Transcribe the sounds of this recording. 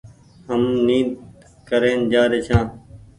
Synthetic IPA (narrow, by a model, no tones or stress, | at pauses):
ɦəmniːd̪ | kəɾeːnd͡ʒaːɾeːt͡ʃʰãː